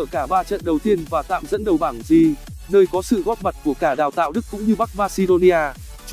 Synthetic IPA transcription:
kaː˧˩ɓaː˧t͡ɕə̰˧˨nɗə˨˩wt̪i˧ənvaː˨˩t̪a̰ː˧˨mzə̰˧˥nɗə˨˩wɓaː˧˩ŋzi˧˩ | nəː˧jkɔ˨˦sɨ̰˧˨ɣɔ˦˥t̚ma˨˩t̚ku˧˩əkaː˧˩ɗaː˨˩wt̪a̰ː˧˨wɗɨ˦˥kːʊ̰˧˥ŋ͡mɲɨ˧ɓa˦˥k̚maː˧si˧ɗo˧ni˧ʔaː˧

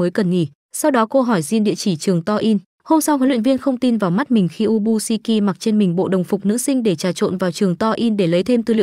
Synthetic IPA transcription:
əː˨˦jkə˨˩nŋḭ˧˩ | sa˧wɗɔ˨˦ko˧ɦɔ˧˩jzi˧nɗḭ˧˨ət͡ɕi˧˩t͡ɕɨ˨˩əŋt̪ɔ˧ʔi˧n | ho˧msa˧wkɔ˨˦lwḭ˧˨ə˩vi˧ənxə˧wŋ͡mt̪i˧nvaː˨˩wma˦˥t̚mï˨˩ŋ̟xi˧ʔu˧ɓu˧si˧ki˧ma˨˩k̚t͡ɕe˧nmï˨˩ŋ̟ɓo̰˧˨ɗə˨˩wŋ͡mfʊ˨˩k͡p̚nɨ̰˧˥sï˧ŋ̟ɗe˧˩t͡ɕaː˨˩t͡ɕo̰˧˨nvaː˨˩wt͡ɕɨ˨˩əŋt̪ɔ˧ʔi˧nɗe˧˩lə˨˦jt̪ʰe˧mt̪ɨ˧˩lḭ˧

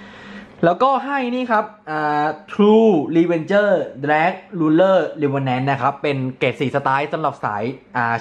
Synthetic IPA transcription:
lɛː˦˥wkɔː˥˩ɦa˥˩jniː˥˩kʰa˦˥p̚ʔaː˨˩t̪ʰɾuː˧liː˧we˧nt͡ɕɤː˥˩d̪ɾɛː˦˥k̚luː˧nlɤː˥˩li˧wəː˧nːɛː˦˥nːa˦˥kʰɾa˦˥pːe˧nkeː˨˩t̪̚siː˨˩sa˧t̪aː˦˥jsa˧˦mla˨˩p̚sa̰ː˩˦jʔaː˨˩

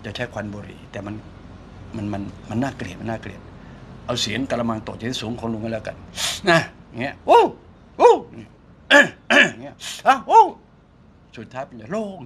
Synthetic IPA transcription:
t͡ɕa˨˩t͡ɕʰa˧˥˩kʰa˧nboː˧ɾḭː˨˩t̪ɛː˨˩ma˧n | ma˧nma˧nma˧nːaː˥˩kli˨˩t̪ma˧nːaː˥˩klḭ˨˩ət̪̚ʔa˧wsi˨˦ənka˧la˧ma˧ŋt̪o˨˩t͡ɕa˨˦i˦˥suː˩˦ŋkʰnlu˧ŋa˧˥˩lɛː˦˧˩ka̰˧˩nʔa˧˩ja˨˩ŋi˦˥ɐʔu˦˥˩ | u˥˩a˨ŋi˦˥ | ʔʔŋi˦˥ɐʔa˧˩ʔu˥˩ | su˨˩t̪ʰːaː˦˥jpe˧nt͡ɕa˨˩loː˥˩k̚

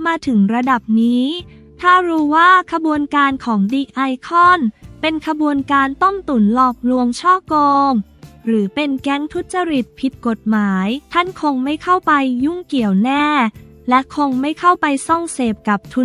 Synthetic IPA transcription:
maː˧t̪ʰɯ˩˦ŋɾa˧da˨˩p̚niː˦˥ | t̪ʰaː˥˩ɾuː˦˥waː˥˩kʰa˧bu˧ənkaː˧nkʰɔː˩˦ŋdiː˧ʔa˧jkʰɔ˥˩npe˧nkʰa˧bu˧ənkaː˧nt̪o˥˩mt̪u˩˦nlɔː˨˩k̚lu˧əŋt͡ɕʰɔː˥˩koː˧ŋɾɯː˩˦pe˧nkɛ˦˥ŋt̪ʰu˦˥t̪̚t͡ɕa˧ɾi˨˩t̪̚pʰi˨˩t̪̚ko˨˩t̪̚maː˩˦jt̪ʰa˥˩nkʰo˧ŋma˥˩jkʰa˥˩wpa˧jːu˥˩ŋki˨˩əwnɛː˥˩ | lɛ˦˥kʰo˧ŋma˥˩jkʰa˥˩wpa˧jsɔ˥˩ŋseː˨˩p̚ka˨˩p̚t̪ʰu˧˩

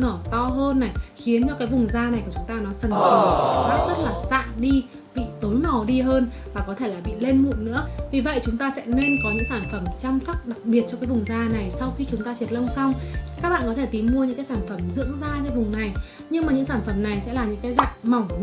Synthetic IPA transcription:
nəː˧˩t̪ɔ˧ɦəː˧nːa˨˩jxi˨˦ənt͡ɕɔ˧kaː˨˦jvʊ˨˩ŋ͡mzaː˧na˨˩jku˧˩t͡ɕʊ˨˦ŋ͡mt̪ːnɔ˨˦sə˨˩nə˨˩˨zaː˦˥t̚zə˦˥t̚laː˨˩za̰ː˧˨nɗi˧ | ɓḭ˧˨t̪o˨˦jmɔ˨˩ɗi˧ɦəː˧n | vaː˨˩kɔ˨˦t̪ʰe˧˩laː˨˩ɓḭ˧˨le˧nmṵ˧˨nnɨ̰˧˥əvi˨˩və̰˧˨jt͡ɕʊ˨˦ŋ͡mt̪aː˧sɛ̰˧˥ne˧nkɔ˨˦ɲɨ̰˧˥ŋsaː˧˩nfə˧˩mt͡ɕa˧msa˦˥k͡p̚ɗa˨˩k̚ɓi˨˩ət̚t͡ɕɔ˧kaː˨˦jvʊ˨˩ŋ͡mzaː˧na˨˩jsa˧wxi˧t͡ɕʊ˨˦ŋ͡mt̪aː˧t͡ɕi˨˩ət̚lə˧wŋ͡msa˧wŋ͡mka˦˥k̚ɓa̰ː˧˨nkɔ˨˦e˧˩t̪i˨˦mmu˧əɲɨ̰˧˥ŋkːjsaː˧˩nfə˧˩mzɨ̰˧˥əŋzaː˧t͡ɕaː˧˨˦jvʊ˨˩ŋ͡mna˨˩j | ɲɨ˧ŋmaː˨˩ɲɨ̰˧˥ŋsaː˧˩nfə˧˩mna˨˩jsɛ̰˧˥laː˨˩ɲɨ̰˧˥ŋkaː˨˦jza̰ː˧˨ŋma˨˩wŋ͡m

